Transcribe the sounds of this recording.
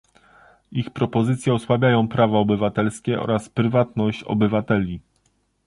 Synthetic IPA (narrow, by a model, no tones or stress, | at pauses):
ixpɾɔpɔzɘt̪sʲjɛɔswavʲjajɔ̃w̃pɾavaɔbɘvat̪ɛlskʲɛʔɔ̰ɾaspɾɘvat̪nɔɕt͡ɕɔ̰bɘvat̪ɛlʲi